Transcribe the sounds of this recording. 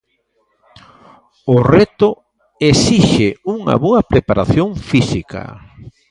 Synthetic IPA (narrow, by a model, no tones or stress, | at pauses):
ʊret̪ʊ | esiʃeuŋɐ̰βoɐpɾepaɾaθjoŋfisika̰